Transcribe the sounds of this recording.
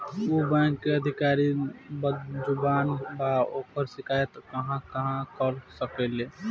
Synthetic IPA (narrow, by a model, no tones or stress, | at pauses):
obɛ̃ŋkːeəd̪ʱɪkaɾibəd͡ʒʊbaːnbaoːkəɾsɪkajet̪kəɦãkəɦãkəlsəkele